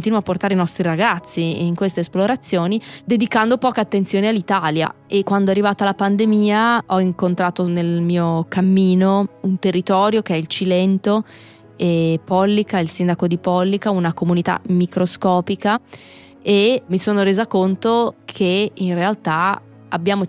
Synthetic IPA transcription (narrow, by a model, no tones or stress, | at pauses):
kont̪iːnuwapːort̪aːɾeinɔst̪ɾiɾaɡat̪sːiiŋkwest̪esploɾat̪sːjoːnid̪ed̪ikand̪opɔːkeat̪ːent̪sjoːnealːit̪aːlja̰ʔekːwand̪oɛarːivaːt̪alːapand̪emiːaɔiŋkont̪ɾaːt̪onelmiːokamːiːnount̪erːit̪ɔːɾjokeɛilt͡ʃilɛnt̪o | epɔlːikailsind̪akod̪ipɔlːikaunakomunit̪a̰mikɾoskɔːpika | emisoːnoɾeːzakont̪okʰeinrealt̪a | abjaːmo